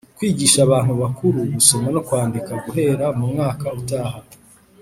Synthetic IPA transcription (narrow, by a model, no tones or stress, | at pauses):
kwiːɟiːʃaβaːn̥huβakʰuɾuɡuso̞mano̞kwaːndikaɡuɦe̞ːɾamumŋaːkautaːɦa